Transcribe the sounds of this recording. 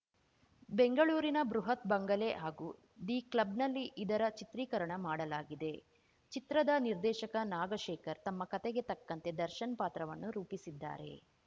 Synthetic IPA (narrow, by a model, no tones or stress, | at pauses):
be̞ŋɡɐɭuːɾinɐbɾuɦɐt̪bɐŋɡɐleɦaːɡuː | d̪iːklɐbnɐlːiʔid̪ɐɾɐt͡ʃit̪ɾiːkɐɾɐɳɐmaːɽɐlaːɡid̪e̞ | t͡ʃit̪ɾɐd̪ɐniɾd̪ɛːʃɐkɐnaːɡɐʃɛːkɐɾt̪ɐmːɐkɐt̪eɡe̞t̪ɐkːɐnt̪e̞d̪ɐɾʃɐnɐpaːt̪ɾɐʋɐnːuɾuːpisid̪ːa̰ːɾe̞̰